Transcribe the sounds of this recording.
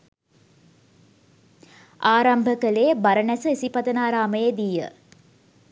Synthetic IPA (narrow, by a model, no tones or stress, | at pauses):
aːɾambʱəkəlebaɾənɛsəisipɐt̪ənaːɾaːməjəd̪ijə̰